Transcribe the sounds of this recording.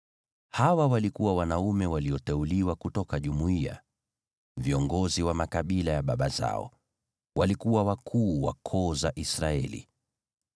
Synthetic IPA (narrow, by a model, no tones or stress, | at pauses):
hawawalikuwawanaumɛwaliɔtɛuliwakutɔkaʄumuia̰ | viɔŋɡɔziwamakaɓilajaɓaɓaza̰ɔ̰ | wʔalikuwawakʰuːwakʰɔːzaʔisɾaɛlḭ